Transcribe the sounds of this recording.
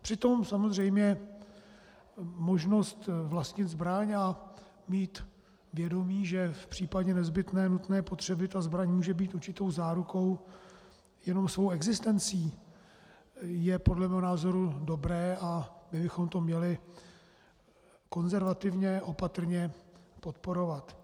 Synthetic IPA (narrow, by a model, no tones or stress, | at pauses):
pr̝̥ɪt̪o̞msamozr̝ɛjmɲɛ | mo̞ʒno̞st̪vlast̪ɲɪt̪zbɾaɲa | miːt̪ | vjɛdo̞miːʒɛfpr̝̥iːpaɟɛnɛzbɪt̪nɛːnut̪nɛːpo̞t̪r̝̥ɛbɪt̪azbɾaɲmuːʒɛbiːt̪uɾt͡ʃɪt̪o̞wzaːɾuko̞w | jɛno̞msvo̞wɛɡzɪst̪ɛnt͡siː | jɛpo̞dlɛmɛːɦonaːzo̞ɾudo̞bɾɛːabɪbɪxo̞mt̪o̞mɲɛlɪ | ko̞nzɛɾvat̪ɪvɲɛʔo̞pat̪r̩ɲɛpot̪po̞ɾo̞vat̪